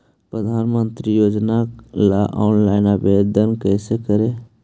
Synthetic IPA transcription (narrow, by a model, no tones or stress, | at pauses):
pɾəd̪ʱaːnmənt̪ɾijoːd͡ʒnalaʔɔːnlaɪnabed̪ənkɛsekəɾe